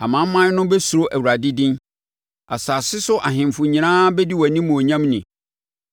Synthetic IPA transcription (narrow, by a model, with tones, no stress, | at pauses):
a˨mã˨˦m˦mːã˦nʊ̃˦bɛ˦su˨ɾo˦ʔæ˨wu˨ɾa˨dɪ˦dĩ˦n | a˨saː˨sɪ˦sʊ˦ʔa˨ɦɪ̃˨mfʊ˨ɲĩ˨nãː˦bɛ˦di˦wɔ˨nĩ˦mũ˨o˨ɲã˦mnɪ̃˨